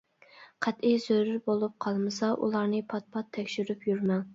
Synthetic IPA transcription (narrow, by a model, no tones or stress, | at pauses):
qʰæt̪ijzøɾyɾbolˠup̚qʰɑlˠmɨsɑʔṵlˠɑɾnɨpʰɑt̪̚pʰɑt̪ʰːɛkʲʃyɾypjyɾmɑŋ